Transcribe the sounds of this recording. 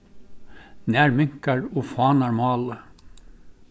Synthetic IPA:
næːɾmʏŋkɑɹoːfɑːnɑɹmɑːlə

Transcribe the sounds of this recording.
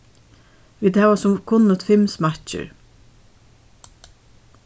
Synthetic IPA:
vit̪hɛːvasʊmkʰʊnːʊt̪fɪmsmatt͡ʃɪ̰ɹ

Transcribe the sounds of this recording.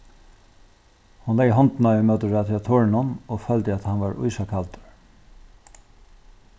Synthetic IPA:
hʊnlɛːjːɦɔnt̪naʏmœt̪əɹat̪ʰɪat̪ʰoːɹɪnʊnofœlt̪ɪæt̪hanʋaɹʊ̰jsakʰalt̪

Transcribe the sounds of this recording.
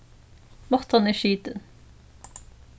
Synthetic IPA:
mɔʁt̪ɑneːʃiːt̪ən

